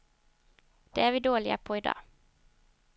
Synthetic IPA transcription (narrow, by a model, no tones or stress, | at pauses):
d̪̥ḛːæːɾʋiːd̪oːɭɪə̰pʰoːid̪ɑ̰ː